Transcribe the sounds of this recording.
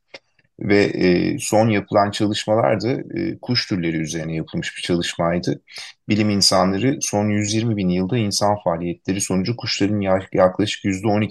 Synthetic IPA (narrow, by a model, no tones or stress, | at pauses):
vɛ̰ːso̞njapʰɯlˠant͡ʃʰalˠɯʃmalˠa̰ɾd̪aɯ̰ːkʰuʃt̪ʰyɾlʲe̞ɾiːyze̞ɾinɛjapʰɯlˠmɯʃb̥it͡ʃʰalˠɯʃmajd̪ɯbilʲiminsanlˠaɾɯso̞njyzjiɾmibinjɯlˠd̪ainsanfaːlʲijɛt̪lʲe̞ɾiso̞nud͡ʒukʰuʃlˠaɾɯnjaklˠaʃɯ̥kjyzd̪ɛo̞ni